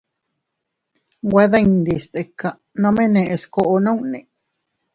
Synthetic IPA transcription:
we˧ðaind̪ist̪e˨ka | nõ˦mẽ˦nẽʔe˧skoʔo˧nõ˦unḛ̃˨

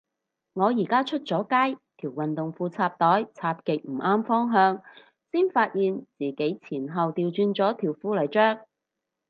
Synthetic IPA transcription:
ŋɔː˨˧jiː˨˩kaː˥t͡ʃʰɵ˥t̚t͡sɔː˨˥kaː˥jt̪ʰiː˨˩wɐ˨nt̪ʊ˨ŋfuː˧t͡sʰaː˧p̚t̪ɔː˨˥jt͡sʰaː˧p̚kɪ˨k̚m̩˨˩ʔaː˥mfɔː˥ŋɦœː˧ŋ | siː˥nfaː˧t̚jiː˨nt͡siː˨ke˨˥jt͡sʰiː˨˩nɦɐ˨wt̪iː˨wt͡ʃyː˧nt͡sɔː˨˥t̪ʰiː˨˩wfuː˥lɵ˨˩jt͡ʃœː˥k̚

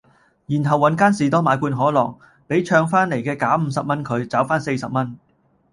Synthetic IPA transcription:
jiː˨˩nɦɐ˨wːɐ˨˧˥nkaː˥nsiː˨t̪ɔː˥maː˨˧jkuː˧nɦɔː˨˥lɔ̰ː˨˩ŋ | pe˨˥jt͡ʃʰœː˧ŋfaː˥nle˨˩jkɛː˧kaː˨˥m̩˨˧sɐ˨p̚mɐ˥nkʰɵ˨˧ɥt͡saː˨˥wfaː˥nse˧jsɐ˨p̚mɐ˥n

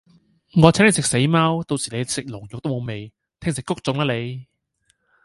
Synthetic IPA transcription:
ŋɔː˨˧t͡sʰːne˨˧sɪ˨k̚se˨˥jmaː˥wt̪o˧wsiː˨˩le˨˧˥sɪ˨k̚lʊ˨˩ŋjʊ˨k̚t̪o˥mo˨˧wme˨˧j | t̪ʰɪ˥ŋsɪ˨kːʊ˥k̚t͡sʊ˨˧ŋlaː˧˥le˨˧j

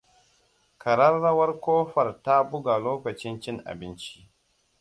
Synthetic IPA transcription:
kʰɐ˨ɾɐ˦rːɐ˦wɐ˦rkʷoː˦ɸɐ˨rta˦bʊ˦ɡa˨loː˦kɐ˨t͡ʃɪ˦nt͡ʃɪ˦ŋʔa̰˨bɪ˦nt͡ʃi̥˦ʔ

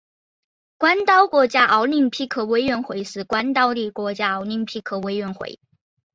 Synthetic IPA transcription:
kwa˥nt̪ɑ˥ʊkwɔ˧˥t͡ɕja˥ʔɑ˧˥ʊni˥˩ŋpʰi˥kʰɤ˧˩we˥ɪɥɛ˧˥nxwe˧˥ɪʂɻ̩˥˩kwa˦nt̪ɑ˥˧ʊli˥˩kwɔ˧˥t͡ɕja˥ɑ˧˥ʊni˥˩ŋpʰi˥˩kʰɤ˧˩we˧˥ɪɥɛ˧˥nxwḛ˧˩˦ɪ

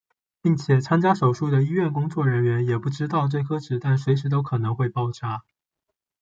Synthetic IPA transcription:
pi˥˩ŋt͡ɕʰjɛ˨˩t͡sʰa˥nt͡ɕja˥ʂo˨˩ʊʂu˥˩d̪ə˩i˥ɥɛ˥˩nkʊ˥ŋt͡swɔ˥˩ɻə˧˥nɥɛ˧˥njɛ˨˩pu˥˩ʈ͡ʂɻ̩˥t̪ɑ˥˧ʊʈ͡ʂɤ˥˧ɪkʰɤ˥ʈ͡ʂɻ̩˨˩t̪a˥˩nswe˧˥ɪʂɻ̩˧˥t̪o˥ʊkʰɤ˨˩nɤ˧˥ŋxwe˥˧ɪpɑ˥˩ʊʈ͡ʂʰa˥

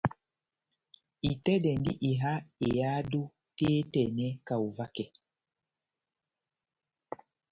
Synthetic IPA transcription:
i˨tɛ˦ɗɛ˨ndi˦ʔi˨ɦa˦e˨ja˦du˦ | tɛː˦tɛ˨nɛ˦ka˨u˨va˦kɛ˨

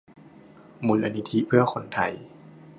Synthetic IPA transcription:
mu˨˦nlʔa˧ni˦˥t̪ʰi˦pʰɯ˥˩ɐxʰo˧˦nt̪ʰa˧˩j

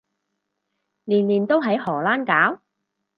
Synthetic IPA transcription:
liː˨˩nliː˨˩nt̪o˥wɦɐ˨˥jhɔː˨˩laː˥nkaː˨˥w

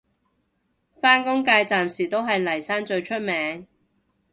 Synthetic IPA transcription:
faː˥nkʊ˥ŋkaː˧jt͡saː˨msiː˨˩t̪o˥wɦɐ˨jlɐ˨˩jsaː˥ŋt͡ʃɵ˧ɥt͡ʃʰɵ˥t̚mɛː˨˥ŋ

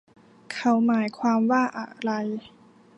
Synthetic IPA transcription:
kʰa˦˥wmaː˩˦jkʰwaː˧mwaː˥˩ʔa̰˨˩ɾa˧j

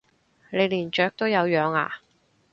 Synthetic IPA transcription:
le˨˧jliː˨˩nt͡ʃœː˨˥k̚t̪o˥wjɐ˨˧wjœː˨˧ŋa̰ː˨

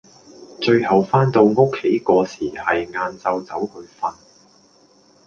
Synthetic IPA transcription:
t͡ʃɵ˧ɥhɐ˨wfaː˥nt̪o˧wŋo˥kʰːe˨˥jkɔː˧siː˨˩hɐ˨jŋaː˧nt͡sɐ˧wt͡sɐ˨˥whɵ˨˧ɥfɐ˧n

